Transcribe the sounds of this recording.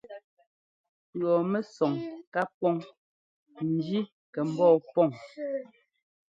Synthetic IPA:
ɰɔ˨mɛ˦sɔ˨ŋka˦pɔ˦ŋ | n̩˦d͡ʒi˦ | kɛ˨m̩˦bɔː˦˨pɔ˦˨ŋ

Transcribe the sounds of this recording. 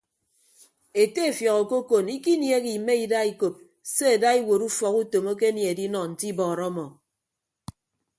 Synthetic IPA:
e˨te˦e˨fjɔ˨kɔ˨ko˦ko˨ni˦ki˦nje˦ki˨me˦i˨da˦i˦ko˨p̚ | se˦e˨da˦i˦wo˨ɾu˦fɔ˨ku˦to˨mo˦k̬e˦nje˨e˨di˦nɔ˨n̩˨ti˦bɔː˨ɾɔ˦mɔ˨

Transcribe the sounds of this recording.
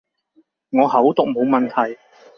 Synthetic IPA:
ŋɔː˨˧hɐ˨˥wt̪ʊ˨k̚mo˨˧wmɐ˨˩nt̪ʰɐ˨˩j

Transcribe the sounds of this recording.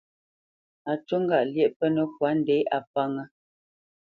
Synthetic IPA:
a˨tə˦ŋ̩˦ɡa˨ʔljɛ˦ʔpə˦nə˦k̚wa˨˦n̩˦dɛ˨˦ʔa˨pa˦ŋə˦

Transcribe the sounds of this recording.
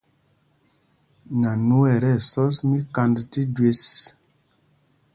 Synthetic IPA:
na˨nu˦ɛ˨ɾɛ˦˨sɔ˦smi˦ka˧ndti˦dwe˦s

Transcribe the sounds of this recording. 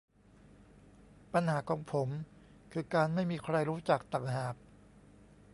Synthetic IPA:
pa˧nhaː˩˦kʰɔː˩˦ŋpʰo˩˦m | kʰɯː˧kaː˧nma˥˩jmiː˧kʰɾa˧jɾuː˦˥t͡ɕaː˨˩k̚t̪a˨˩ŋhaː˨˩k̚

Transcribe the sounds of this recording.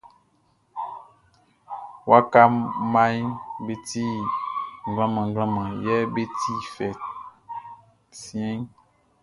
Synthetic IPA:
wa˦ka˦mma˦jbe˦ti˦˨ŋ˨ɡlã˦mã˨ŋ˦ɡã˦mã˨jɛ˦be˦tʰi˦fɛ˨ | sjɛ̃˦ŋ

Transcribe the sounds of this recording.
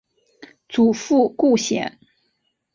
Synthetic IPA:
t͡su˨˩fu˥˧ku˥˩ɕjɛ̰˨˩˦n

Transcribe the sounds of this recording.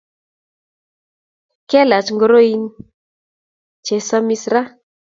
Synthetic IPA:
kɛ˦la˨t͡ʃŋɡo˨˦ɾo˦i˦n | t͡ʃe˨sa˦mi˦sɾa˦

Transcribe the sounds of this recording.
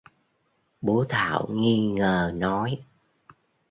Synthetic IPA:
ɓo˨˦t̪ʰa̰ː˧˨wŋi˧ŋəː˨˩nɔ˨˦j

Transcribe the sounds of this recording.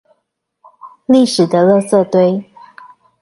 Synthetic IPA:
li˥˩ʂɻ̩˨˩d̪ə˦lɤ˥˧sɤ˥˧t̪we˥ɪ

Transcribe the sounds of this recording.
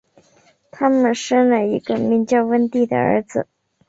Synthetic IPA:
t̪ʰa˥mə˨nʂə˥nlə˨i˧˥ɡə˧mi˧˥nt͡ɕjɑ˥ʊwə˥nt̪i˥˩d̪ə̰˩ə̰˞˧˥d͡zɹ̩˧˩

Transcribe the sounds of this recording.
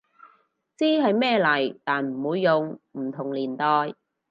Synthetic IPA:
t͡siː˥ɦɐ˨jmɛː˥˧lɐ˨˩jt̪aː˨nm̩˨˩wuː˨˧jːʊ˨ŋm̩ː˨˩t̪ʰʊ˨˩ŋliː˨˩nt̪ɔː˨j

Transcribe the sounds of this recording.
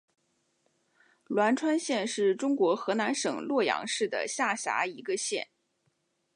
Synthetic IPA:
lwa˧˥nʈ͡ʂʰwa˥nɕjɛ˥˧nʂɻ̩˥˩ʈ͡ʂʊ˥ŋkwɔ˧˥xɤ˧˥na˧˥nʂɤ˨˩ŋlwɔ˥˩jɑ̰˧˥ŋʂɻ̩˥˩d̪ə̰˩ɕja˥˩ɕja̰˧˥i˧˥ɡə˧ɕjɛ̰˥˩n

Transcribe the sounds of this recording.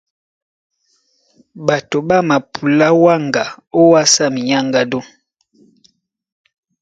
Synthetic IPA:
ba˨to˨ba˦ma˨pʰu˨la˦wa˦˨ŋɡa˨o˦wa˦sa˦˨mi˨ɲa˦ŋɡa˦do˦

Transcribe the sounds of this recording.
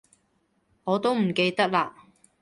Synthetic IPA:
ŋɔː˨˧t̪o˥wm̩˨˩ke˧jt̪ɐ˥k̚laː˧

